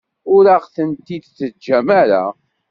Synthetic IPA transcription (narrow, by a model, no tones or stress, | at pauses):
ʊɾaʁθənt̪id̪t͡sːəd͡ʒːæmæɾa̰